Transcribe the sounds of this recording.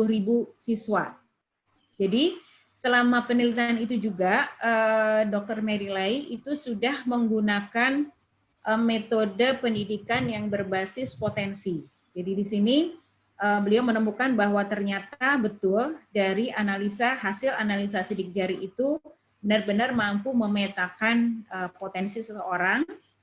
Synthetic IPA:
uuɾibusiswa | d͡ʒadi | səlamapənilit̪anit̪̬ud͡ʒuɡaədɔk̚t̪ərmeɾilaiʔit̪usudahməŋɡunakan | ʔəmet̪odəpəndidikanjaŋbərbasɪspot̪ɛnsi | d͡ʒadidisini | ʔəbəliawmənəmukanbaɦwat̪ərɲat̪abət̪ʊldaɾiʔanalisahasɪlanalis̬asidɪk̚d͡ʒaɾiʔːt̪u | bənarbənərmampuməmet̪akanəpot̪ɛnsisəəoɾaŋ

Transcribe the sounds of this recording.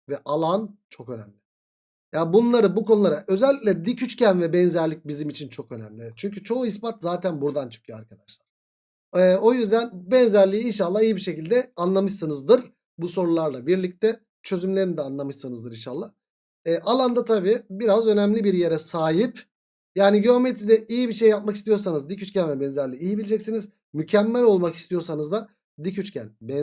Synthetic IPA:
vɛʔalˠant͡ʃʰo̞kø̞næ̰mlʲɪ | jabunlˠaɾɯbukʰo̞nulˠaɾaʔø̞zɛlʲicʲlʲɛd̪icʰyt͡ʃcænvɛbɛnzæɾlʲic̚bizimit͡ʃʰint͡ʃʰo̞kø̞næ̰mlʲɪt͡ʃʰyɲcyt͡ʃʰo̞uis̬pat̪zaːt̪ʰænbuɾd̪ant͡ʃʰɯ̥kʰjoa̰ɾkʰad̪aʃlˠaɾ̥ | ɛːo̞jyzd̪ænbɛnzæɾlʲiːinʃ̬alˠːaːijibiʃe̞cilʲd̪ɛanlˠamɯʃsɯnɯzd̪ɯɾ̥ | buso̞ɾulˠaɾlˠabiɾlʲic̚t̪ʰɛ | t͡ʃʰø̞zymlʲe̞ɾinid̪ɛanlˠamɯʃsɯnɯzd̪ɯɾinʃalˠːa | ɛːʔalˠand̪at̪ʰabiːbiɾazø̞nɛmlʲibiɾje̞ɾɛsaːjip | jaːniɟiomet̪ɾid̪ɛʔijibiʃejːap̚maki̥st̪ʰijo̞ɾsanɯzd̪icyt͡ʃcʰʲænvɛbɛnzæɾlʲiːjibilʲid͡ʒɛcsiniz | mycʰɛmːælʲolˠmaki̥st̪ʰijo̞ɾsanɯzd̪a | d̪icʰyt͡ʃcʰæ̰nbɛ

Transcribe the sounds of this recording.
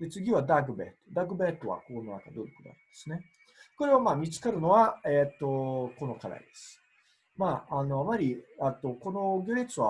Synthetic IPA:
d̪e̞t͡sɨɡʲiβad̪aɡɯ̟bḛːt̪od̪aɡɯ̟bet̪ːo̞βa̰koononaka̰d̪oikod̪a̰ĩnd̪̥e̞sɨne̞ | ko̞ɾe̞βamaːmʲit͡sɨ̥kaɾɯ̟no̞βaet̪ːo̞ko̞no̞kad̪a̰id̪̥e̞sɨ̥ | maːano̞amaɾʲiat̪ːo̞ko̞no̞ɡʲoɾʲit͡sɨβa

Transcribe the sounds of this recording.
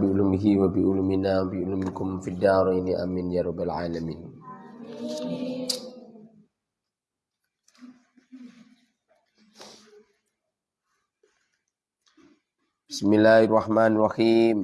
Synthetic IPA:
biʔulumiɦiwabiʔuluminaːbiʔʊlumikʊmfidaːɾˤajniʔa̰mːɪnd͡ʒaɾubalʕaːlamiːn | b̥ismilːaːharˤːɑħmaːnɾˤɑxiːm

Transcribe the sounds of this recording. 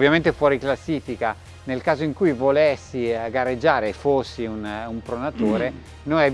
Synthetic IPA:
vːjament̪efwɔːɾiklasːiːfika | nelkaːzoiŋkujvolesːiɡaɾed͡ʒːaːɾefosːiunumpɾonat̪oːɾe | noɛ

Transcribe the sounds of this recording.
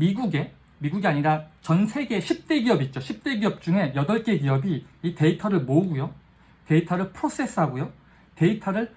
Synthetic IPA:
miɡuɡe̞ | miɡuɡiaɲiɾat͡ɕʌnsʰe̞ɡe̞ɕʰip̚t͈e̞ɡiʌbit̚t͡ɕ͈oɕʰip̚t͈e̞ɡiʌp̚t͡ɕ͈uŋe̞jʌdʌɭk͈e̞ɡiʌbiːte̞itʰʌɾɯɭmoɡujo | te̞itʰaɾɯɭpʰɯɾos͈e̞s͈ɯɦaɡojo | te̞itʰaɾɯɭ

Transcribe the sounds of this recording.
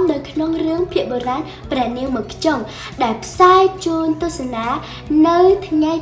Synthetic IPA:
mnɨwkʰnoŋrɨəŋpʰiəʔɓoraːn | prɛ̆əniəŋmɨəkʰt͡ɕoŋ | ɗaɛlpʰsaɛt͡ɕuːnt̪ʊəhsanaː | nɨwt̪ʰŋaj

